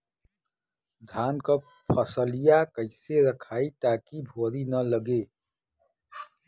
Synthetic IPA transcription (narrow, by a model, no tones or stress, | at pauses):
d̪ʱaːnkə | pʰəsəlijakəɪseɾəkʰaːit̪akibʱoɾinələɡe